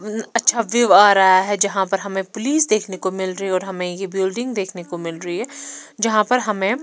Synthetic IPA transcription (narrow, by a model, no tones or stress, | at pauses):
ɐtːʃʰaʋɪʋaːɾaɦaɦɛd͡ʒɐɦãpɐɾɦɐmẽpʊliːsd̪eːkʰnekomɪlɾɐɦiɔːɾɦɐmẽjebɪlɖɪ̃ŋɡd̪eːkʰnekomɪlɾɐɦiɦɛːd͡ʒɐɦãpɐɾɦɐmẽ